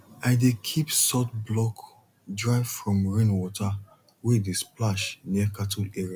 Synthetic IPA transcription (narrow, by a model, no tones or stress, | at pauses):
aɪdekʰipsɔtblɔk | dɹaɪvfɹɔ̃mɹĩnwɔtʰa | wedesplaʃnikatʰulɛɹia